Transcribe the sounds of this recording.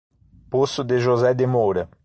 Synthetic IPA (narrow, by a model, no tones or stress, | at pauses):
posʊd̪eʒozɛd̪emowɾɐ